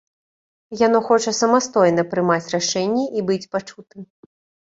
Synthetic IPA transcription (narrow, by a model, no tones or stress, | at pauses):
jan̪ɔxɔt͡ʂɐsɐmast̪ɔjn̪ɐpɾɨmat͡sʲraʂɛnʲːɛʔibɨt͡sʲpat͡ʂut̪ɨm